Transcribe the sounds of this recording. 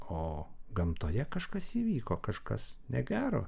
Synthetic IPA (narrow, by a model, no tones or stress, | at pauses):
oːɡɐmt̪oːjɛkɐʃkɐsiːʋʲiːkoːkɐʃkɐ̰snʲɛɡʲæːɾoː